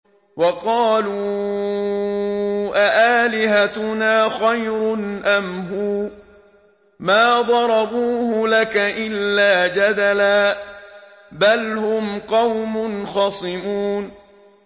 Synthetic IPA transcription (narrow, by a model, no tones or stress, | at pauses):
wɑqɑːluː | ʔaʔaːlɪhat̪ʊnaːxajɾʊnʔamhuː | maːd̪ˤɑɾˤɑbuːhʊlakaʔɪlːaːd͡ʒad̪alaː | balhʊmqɑwmʊnxɑsˤɨmuːn